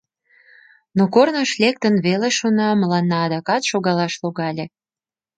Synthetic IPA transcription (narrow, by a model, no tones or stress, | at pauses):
nokornəʃlʲek̚t̪ənβeleʃonɑməlɑnːɑːd̪ɑkɑt̪ʃoɣɑlɑʃloɣɑlʲe